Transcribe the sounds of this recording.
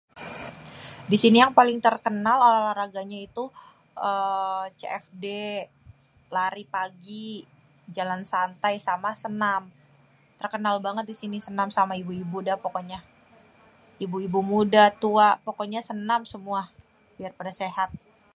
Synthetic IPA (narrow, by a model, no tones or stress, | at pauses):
disinijaŋpalɪŋt̪ərkənalolahlaɾaɡaɲait̪u | ʔət͡ʃḛɛfde | laɾipaɡi | d͡ʒalansant̪ajsamasənam | t̪ərkənalbaŋət̪̚disinisənamsamaibuibudapokoɲa | ibuibumudat̪uapokoɲasənamsəmua | b̥iarpadaseɦat̪̚